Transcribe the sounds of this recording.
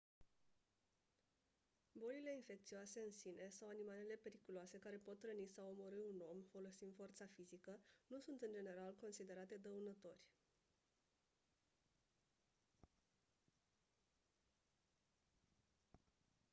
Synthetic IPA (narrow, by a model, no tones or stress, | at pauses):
bo̞lile̞infe̞k̚t̪sioase̞ɨnsine̞sawanimale̞le̞pe̞ɾikuloase̞kaɾe̞po̞t̪ːɾənisawomo̞ɾɨuno̞mfo̞lo̞sind̪fo̞rt̪safizikənusunt̪ɨnd͡ʒe̞ne̞ɾalko̞nsid̪e̞ɾat̪e̞d̪əunət̪o̞rʲ